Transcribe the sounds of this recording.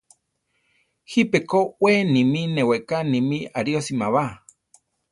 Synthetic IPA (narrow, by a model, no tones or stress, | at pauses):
hipekowenĩmĩnẽweʔkanĩmĩaɾiosimaβa